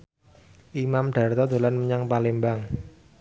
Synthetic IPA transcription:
ʔimamɖ̪̥a̤rt̪ɔd̪̥o̤lanməɲaŋpalembaŋ

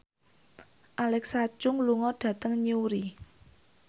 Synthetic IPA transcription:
ʔalɛksḁʒ̥ʊŋluŋɔɖ̥ä̤t̪əŋɲuɾi

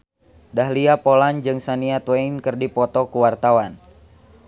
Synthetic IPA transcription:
daɦliapɔland͡ʒɨŋsaniat̪wɛinkɨrdipɔt̪ɔkuwart̪awan

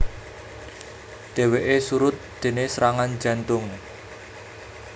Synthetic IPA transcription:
d̪̥e̤weʔesuɾʊt̪̚d̪̥e̤nesɾaŋand͡ʒä̤nt̪ʊŋ

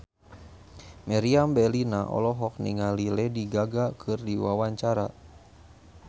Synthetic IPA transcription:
mɛɾiambɛlinaʔɔ̰lɔɦɔk̚niŋalilɛdiɡaɡakʰɨrdiwawaɲt͡ʃaɾa

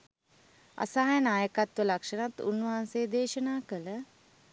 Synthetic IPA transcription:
a̰saːjənaːjəkat̪ʋəlakʂənat̪unːaɦːnseːd̪eːʃənaːkələ

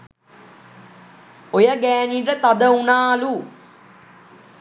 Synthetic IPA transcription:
ojəɡæːniːʈət̪ad̪əunaːlu

